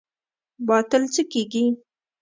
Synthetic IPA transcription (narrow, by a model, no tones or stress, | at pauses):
bɑt̪əlt͡səkeɡi